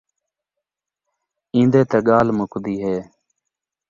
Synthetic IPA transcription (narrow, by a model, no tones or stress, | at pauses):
ĩːnd̪eːt̪eːɠaːlmʊkd̪iːɦeː